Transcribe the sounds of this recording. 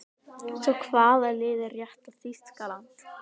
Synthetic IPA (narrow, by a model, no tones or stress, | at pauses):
sɔkʰvaːðalɪːðɪrjɛht̪aθist̪kalant̪